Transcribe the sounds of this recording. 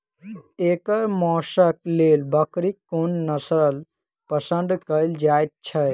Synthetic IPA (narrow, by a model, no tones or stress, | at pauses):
eːkəɾmɔːʃək̚leːlbəkɾikːonːəsɾəl | pəsə̃nd̪kəjld͡ʒaːjt̪̚t͡ʃʰə